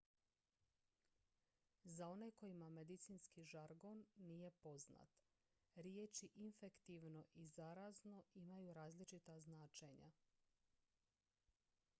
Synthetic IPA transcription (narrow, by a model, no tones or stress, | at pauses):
zao̞ne̞ko̞jimame̞d̪it̪sinskiʒaɾɡo̞nːije̞po̞zna̰t̪ | ɾjeːt͡ʃiʔinfe̞kt̪iʋno̞ʔizaɾazno̞imajuɾaːzlit͡ʃit̪aznaːt͡ʃeɲa̰